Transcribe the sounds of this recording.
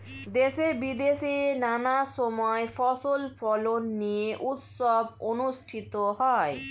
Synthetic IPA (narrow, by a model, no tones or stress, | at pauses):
d̪esebid̪esinanasɔmɔefʰɔsolfʰɔlonːieʔut̪sɔbonusʈʰit̪oɦɔe